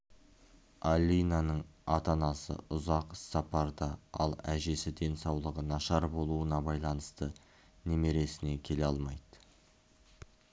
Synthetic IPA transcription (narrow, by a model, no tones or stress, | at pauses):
alʲːijnanəɴɑt̪ɑnɑsə̰ʊzɑqsɑpɑɾd̪ɑɑ̰lˠæʒe̞sɪd̪e̞nsɑwlˠəʁənɑʃɑɾbo̞lˠuənɑbɑjlˠɑnəst̪ə | neme̞ɾe̞sɪne̞kʲʰe̞leɑlˠmɑjd̪̥ə